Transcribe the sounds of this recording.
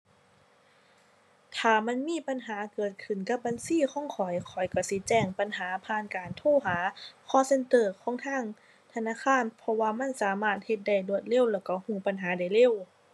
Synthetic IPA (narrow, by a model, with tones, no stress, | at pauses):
t̪ʰaː˨˩ma˧˥˨nmiː˧˥˨pa˨nɦaː˨˦kɤː˨˩t̪̚kʰɯ˨˩nka˧˥p̚baː˨nsiː˧˥˨kʰɔː˧˥˨ŋkʰɔ˨˩jkʰɔ˨˩˦jka˧˩si˧˦t͡ɕɛː˧˩ŋpa˨nɦaː˩˦pʰaː˧˥˨nkaː˨nt̪ʰoː˧˥˨ɦaː˩˦kʰɔː˧˥˨se˧˨nt̪ɤː˧˩kʰɔː˦ŋt̪ʰaː˧˥˨ŋ | t̪ʰa˧naː˧˥˨kʰaː˧˨npʰɔ˧waː˧ma˧˥˨nsaː˨˦maː˧˩t̪̚he˧t̪̚da˧˩jdu˧˩ət̪̚le˧˥˨wlɛː˧˩wka˧˩huː˧˩pa˨nɦaː˨˦da˧˩jle˧˥˨w